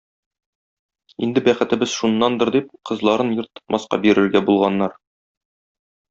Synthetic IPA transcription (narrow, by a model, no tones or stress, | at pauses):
ḭnd̪ɘbæχɘ̆t̪ɘ̆bɘz̥ʃunːɑnd̪ɤ̆ɾd̪ip̚qɤ̆zlˠɑɾɤnjɤɾt̪ːɤ̥̆t̪mʔɑsqɑ̰biɾɘ̆ɾɡæbulˠʁɑnːɑɾ